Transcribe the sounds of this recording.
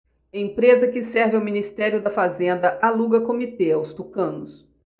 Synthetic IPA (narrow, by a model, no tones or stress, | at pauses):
ɐẽpɾezɐkɪsɛɾvɪawminist̪ɛɾjʊd̪ɐfazẽnd̪ɐʔaluɡɐkomit̪eawst̪ukɐ̃nʊs